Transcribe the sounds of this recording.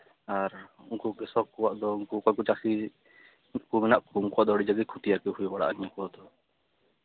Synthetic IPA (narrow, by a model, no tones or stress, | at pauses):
aɾ | uŋkukɛsɔkuwaʔd̪ɔuŋkukɔkut͡ʃaki | kuminaʔkumkuaʔd̪ɔɽid͡ʒaɡɛkʰut̪ijakɛɦujbaɽa̰ʔaɲakuad̪ɔ